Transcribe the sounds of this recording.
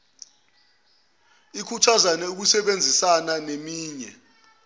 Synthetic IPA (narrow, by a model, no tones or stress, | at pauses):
ikʰutʰazanɛuk̬usɛɓend͡zʱisananemiːɲɛ̰